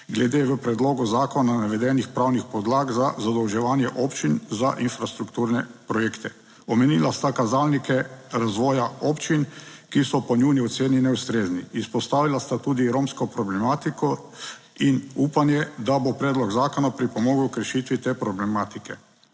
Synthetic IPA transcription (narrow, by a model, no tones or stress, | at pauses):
ɡlɛd̪eːʋəpɾɛd̪loːɡɔzaːkɔnanaʋɛd̪ɛnixpɾawnixpɔd̪laːɡzazad̪ɔwʒɛʋaːnjɛʔɔpt͡ʃinzaʔinfɾast̪ɾukt̪uːɾnɛpɾɔjeːkt̪ɛ | ɔmɛnilast̪akazaːlnikɛɾazʋɔːjaɔpt͡ʃinkisɔpɔnuniɔt̪seːninɛust̪ɾeːzniːspɔst̪aːʋilast̪at̪uːd̪iɾomskɔpɾɔblɛmaːt̪ikɔ | inuːpanjɛd̪abopɾɛːd̪lɔɡzaːkɔnapɾipɔmɔːɡukɾɛʃit̪ʋit̪eːpɾɔblɛmaːt̪ikɛ